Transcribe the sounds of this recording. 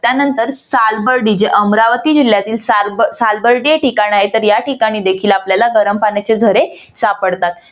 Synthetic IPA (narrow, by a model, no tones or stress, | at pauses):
t̪janənt̪əɾsalbəɾɖiːd͡ʑeʔəmɾaʋət̪iːd͡ʑiljat̪iːlsasalbəɾɖieʈikaɽ̃iaɦet̪əɾjaʈikaɽ̃iːd̪ekʰiːlapljalaɡəɾəmpanjat͡ɕed͡zʱəɾe | sapəɽt̪at̪